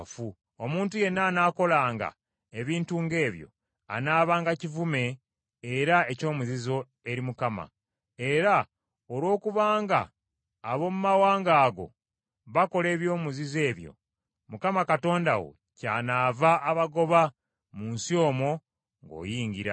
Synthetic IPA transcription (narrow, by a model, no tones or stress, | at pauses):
fu | o̞muːntuje̞nːaːnaːko̞laːŋɡa̰ | eβiːntuŋɡe̞ːβjo̰ | a̰naːβaːŋɡacivume̞ː | ɾae̞co̞ːmuzizo̞ | e̞ɾimukama̰ | e̞ɾa | olwo̞ːkuβaːŋɡa̰ː | βo̞mumawaːŋɡaːɡo̞̰ | βako̞le̞ːβjo̞ːmuzize̞ːβjo̞̰ | mukamakato̞ːnda̰wo̞̰ | ca̰ːnaːvaʔːβaɡo̞βa | muːnsio̞ːmo̞ | ŋɡo̞̰ːjiːɲɡiɾa̰